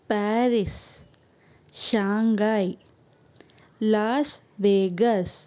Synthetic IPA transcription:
pɛːɾis | ʃaːŋɡaːi | laːs | ʋeːɡɐs

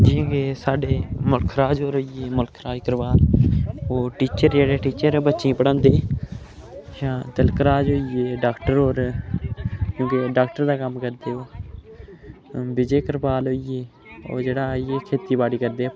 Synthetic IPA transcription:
d͡ʒɪ̃ːkeːsaːɖeːmʊlkʰɾaːd͡ʒɦoːɾɦoːieːmʊlkʰɾaːd͡ʒkəɾbaːloːʈiːt͡ʃəɾd͡ʒeːɽeːʈiːt͡ʃəɾbətːʃĩːpəɽə̃ːnd̪eː | ʃãːt̪ɪlkəɾaːd͡ʒɦoːieːɖaːkʈəɾoːɾ | kjõːkeɖaːkʈəɾd̪aːkəmkəɾd̪eːoː | bɪd͡ʒeːkəɾbaːlɦoːieː | o̰ːd͡ʒeːɽaːieːkʰeːt̪iːbaːɽiːkəɾd̪eː

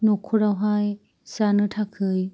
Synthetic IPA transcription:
nukʰuɾawɦaj | sanɯtʰakʰɯj

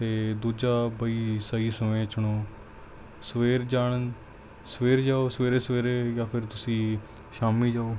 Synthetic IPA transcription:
t̪eːd̪uːd͡ʒaːbəiːsəiːsəmẽːt͡ʃʊɽ̃oː | sʋeːɾd͡ʒaːɳ̃ən | səʋeːɾd͡ʒaːoːsəʋeːɾeːsʋeːɾeːjaːpʰɪɾt̪ʊsĩː | ʃaːmiːd͡ʒaːoː

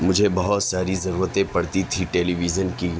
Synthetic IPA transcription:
mʊd͡ʒʱebɐɦɔt̪saːɾizɐɾuːɾət̪ẽpɐɽt̪it̪ʰiʈeːliːʋizənki

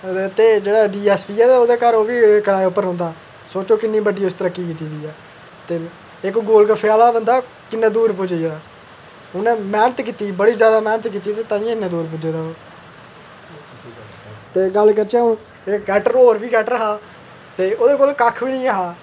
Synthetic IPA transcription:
t̪eːd͡ʒeːɽaːɖiːɛːspiːɛːd̪aoːd̪eːkəɾoːʋiːkəɾaːeʊpːəɾõːnd̪aː | soːt͡ʃoːkɪnːiːbəɖːiːʊst̪əɾəkːiːkiːt̪iːd̪iːɛː | t̪eː | ɪkɡoːlkəpʰeaːlaːbənd̪aː | kɪnːẽːd̪uːɾpʊd͡ʒeːd̪aː | ʊnẽːmɛːnət̪kiːt̪iːbəɽiːzjaːd̪aːmɛːnət̪kiːt̪iːt̪eːt̪ãːĩːɪnːẽːd̪uːɾp̬ʊd͡ʒeːd̪aːoː | t̪eːɡəlkəɾt͡ʃaːõ | ekɛːʈəɾɦoːɾʋiːkɛːʈəɾɦaː | t̪eːoːd̪eːkoːlkəkʰʋiːnĩːəɦaː

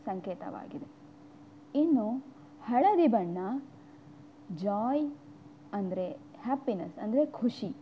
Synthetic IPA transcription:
sɐŋkeːt̪ɐ̰ʋa̰ːɡid̪e | inːu | hɐɭɐɾibɐɳːɐ | d͡ʒaːj | ɐnd̪ɐɾehaːpːinɐsɐnd̪ɐɾe̞kʰuʂi

